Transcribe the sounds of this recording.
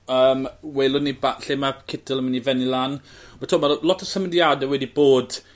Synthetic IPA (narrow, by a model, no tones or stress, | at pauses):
əːmwelˠʊnibaɬemakʰɪtʰɪlˠəmənivɛnilˠanmatʰoːmalɔtʰɔsəmədjadɛwɛdiboːd̥